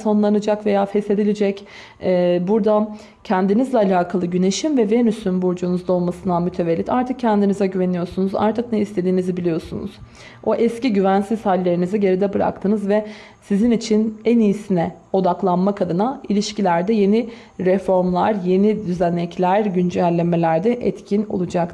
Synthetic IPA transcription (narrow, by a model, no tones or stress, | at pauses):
so̞nlˠanɯd͡ʒakve̞jaːfɛse̞d̪ilʲid͡ʒɛcː | buɾd̪a | cʰɛnd̪inizlʲɛalʲaːkʰalˠɯɟyne̞ʃimvɛvɛnysynbuɾd͡ʒunuzd̪ao̞lˠmasɯnd̪amyt̪ʰe̞velʲːit̪ʰaɾt̪ʰɯk̚cʰːɛnd̪inizɛɟyve̞nijo̞sunuza̰ɾt̪ʰɯk̚nɛist̪ʰe̞d̪iːnizibilʲijo̞sunṵz̥ | o̞ʔɛsciɟyvænsiz̥halʲːe̞ɾinizɛɟe̞ɾid̪ɛbɯɾa̰k̚t̪ʰɯːnɯzvɛ | sizinit͡ʃʰinɛnijːsinɛ | o̞d̪aklˠanmakʰad̪ɯnailʲiʃcilʲæɾd̪ɛje̞ni | ɾɛfo̞ɾmlˠaɾje̞nid̪yzænːɛclʲæɾɟynd͡ʒælʲːeme̞lʲæɾd̪ɛʔɛt̪cʰino̰lˠud͡ʒak̪